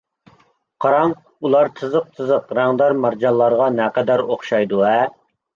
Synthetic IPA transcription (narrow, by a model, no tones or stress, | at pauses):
qʰɑɾɑŋ | ulˠɑɾt̪ʰɨzəq̚t̪ʰɨzəqɾæŋd̪ɑɾmɑɾd͡ʒɑlˠːɑɾʁɑnɛqɛd̪æɾoχʃɑjd̪uɛ